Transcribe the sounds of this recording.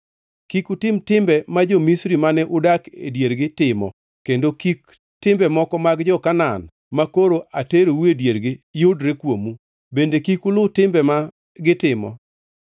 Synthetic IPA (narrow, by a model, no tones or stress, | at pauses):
kikutɪmtɪmbɛmad͡ʒomisɾimanɛʔʊdakḛdjeɾɡɪtɪmɔ̰ | kendokik | tɪmbɛmɔkɔmaɡd͡ʒɔkanan | makoɾoʔateɾowuedjeɾɡɪjʊdɾekwomu | bendekikʊlʊtɪmbɛma | ɡɪtɪmɔ̰